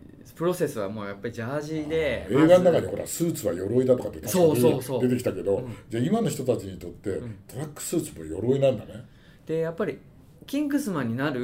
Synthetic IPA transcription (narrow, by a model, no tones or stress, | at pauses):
pɯ̟ɾo̞se̞sɨβamo̞ːjapːaɾiʑaːʑid̪e̞eːɡannakaɲ̟iho̞ɾʔa̰sɨːt͡sɨβa̰jo̞ɾo̞id̪at̪o̞kat̪ːet̪asoːosod̪e̞t̪ek̬ʲi̥t̪ake̞d̪o̞d͡ʑaimano̞çi̥t̪ot̪at͡ɕiɲ̟it̪o̞t̪ːẽ̞t̪o̞ɾakːɯ̥sɨːt͡sɨmojo̞̰ɾo̞inãnd̪ane̞ | d̪̥e̞japːaɾʲi | kʲĩŋɡɯ̟sɨmãɲ̟ːinaɾɯ̟